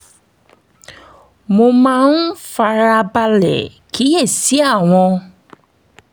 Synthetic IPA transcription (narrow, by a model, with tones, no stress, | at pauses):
mo˧mã˦˧n̩˦fa˧ɾa˧ba˧lɛ̰˨ki˨˦e˦˨si˨˦a˦˨w̃ɔ̃˧